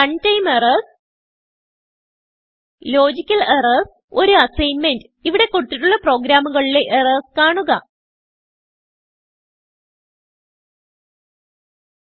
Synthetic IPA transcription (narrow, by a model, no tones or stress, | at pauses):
ɐɳtɐjmerɐs | lo̞ːd͡ʑikʲːɐlerɐs | o̞ɾuɐsɐjnmendɨiʋiɽe̞kːoɽut̪ːiʈːuɭːɐpro̞ːɡɾaːmuɣɐɭile̞ʔerɐskaːɳuɣɐ̰